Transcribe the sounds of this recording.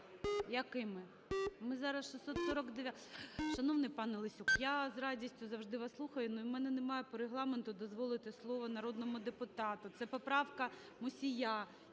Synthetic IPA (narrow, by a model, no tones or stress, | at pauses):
jɐkɪmɪ | mɪzɑɾɐsʃɪsʲsɔt̪sɔɾɔkd̪eʋʲa | ʃɐnɔʋnɪjpɑnɛlˠɪsʲukjazrɑdʲisʲtʲʊzɐwʒd̪ɪʋɑslˠuxɐjʊnuimɛnɛnemɑjɛpɔɾeɦlˠɑment̪ʊd̪ɔzʋɔlˠɪt̪ɪslˠɔʋɔnɐɾɔd̪nɔmʊd̪epʊt̪ɑt̪ʊt̪sɛpɔpɾɑwkɐ | mʊsʲija